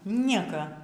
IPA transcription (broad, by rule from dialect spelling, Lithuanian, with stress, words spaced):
ˈnʲiɛkɐ